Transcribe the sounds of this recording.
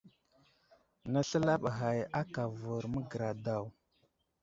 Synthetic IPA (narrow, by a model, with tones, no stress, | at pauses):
na˦ɬə˦la˦ɓɦa˨ja˦ka˨vu˨ɾmə˦ɡə˨ɾa˨da˦˨w